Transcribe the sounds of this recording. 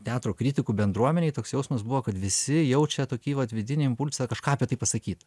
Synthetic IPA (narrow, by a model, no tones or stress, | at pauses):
t̪ʲæːt̪ɾoːkɾʲɪt̪ʲɪkuːbʲɛnd̪ɾuɔmʲɛnʲɛɪt̪oːksjɛʊsmɐsbuʋoːkɐt̪ʋʲɪsʲɪjɛʊt͡ʃʲɛt̪oːkʲiːʋɐt̪ʋʲɪd̪ʲɪnʲeːɪmpʊlʲsɐkɐʃkɑːɐpʲɛt̪ɐɪpɐsɐkʲiːt̪ɐ